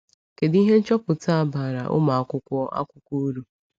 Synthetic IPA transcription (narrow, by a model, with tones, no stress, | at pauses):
ke˨di˦ɦe˦n̩˦t͡ʃɔ˦pʊ˨ta˦a˨ba˨ɾa̰˨ʔʊ̰˦ma˨a˨kʷʊ˦kʷɔ˦ʔa̰˦kʷʊ˦kʷo˦ɾu˦